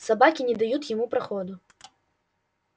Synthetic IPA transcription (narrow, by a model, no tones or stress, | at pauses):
sabakʲinʲɛd̪ajut̪ʲjamupɾaxɔd̪u